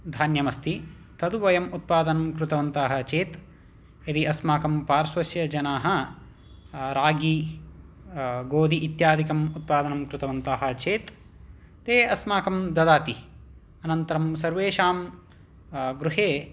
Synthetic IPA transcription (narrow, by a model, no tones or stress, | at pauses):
d̪ʱaːnjɐmɐst̪i | t̪ʰɐd̪uʋɐjɐmut̪̚paːd̪ɐnɐmkɾut̪ɐʋɐnt̪aːɦɐ̆t͡ʃeːt̪ | ɐd̪iɐsmaːkɐmpaːɾsʋɐsjɐd͡ʒɐnaːɦɐ | ɾaːɡi | ɡoːd̪ʱiʔːt̪jaːd̪ikɐmut̪̚paːd̪ɐnɐmkɾut̪ɐʋɐnt̪aːɦɐ̆t͡ʃeːt̪ː | eːɐsmaːkɐmd̪ɐd̪aːt̪i | ɐnɐnt̪ɐɾɐmsɐɾʋeːʃaːm | ɡɾuɦeː